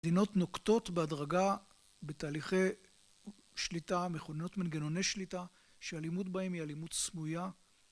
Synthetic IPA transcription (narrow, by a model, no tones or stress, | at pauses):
dino̞tno̞kto̞tbeadʁaɡa | be̞taːliχej | ʃlitameχoneno̞tmanɡeno̞nejʃlita | ʃealimutbaemialimut̪smuja